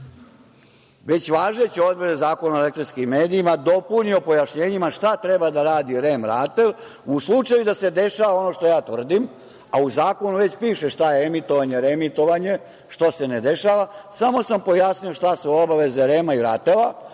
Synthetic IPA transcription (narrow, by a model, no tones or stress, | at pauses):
ʋe̞t͡ɕʋaːʒet͡ɕio̞d̪bɾed̪ezaːko̞naoelekt̪ɾinskimːeːd̪iimad̪o̞punio̞po̞jaʃɲeːɲimaʃt̪at̪ɾebad̪aɾaːd̪iɾeːmɾat̪e̞l | uslˠut͡ʂajud̪ase̞d̪e̞ʃaːʋao̞no̞ʃt̪o̞jaːt̪ʋr̩d̪im | auzaːko̞nuʋe̞t͡ɕpiːʃeʃt̪ajeemit̪o̞ʋaɲeɾemit̪o̞ʋaɲe̞ | ʃt̪ose̞ned̪e̞ʃaːʋasamo̞sampo̞jasnio̞ʃt̪asuo̞baʋe̞zeɾeːmaiɾaːt̪ela